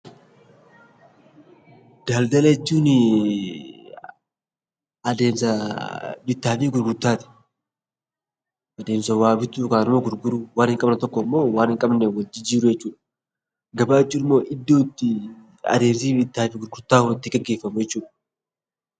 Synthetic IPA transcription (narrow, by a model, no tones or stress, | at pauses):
d̪̥aːld̪ɐlɐjɛt͡ʃːuːnɪ | ɐd̪eːmsɐ | bɪt̪ːaːfiːɡʊɾɡʊɾt̪ːaːt̪ɪ̥ | ʔɐd̪e̞ːmsɐwaːbɪt̪ːuːkaːnɪmoːɡʊɾɡʊɾuwaːnhɪŋkʼɐbnɐt̪ɔkːɔmːo̞ːwaːnɪŋkʼɐbnɛwɐd͡ʒːɪd͡ʒiːɾʊjɛt͡ʃːuːᶑɐ̥ | ɡɐbaːɛt͡ʃːuːnɪmːo̞ːʔɪd̪ːoːt̪ːɪ | ɐ̰d̪e̞ːmsiːbɪt̪ːaːfiːɡʊɾɡʊɾt̪ːaːʊɪt̪ːɪɡɐɡːe̞ːfːɐmʊjɛt͡ʃːuːᶑɐ̥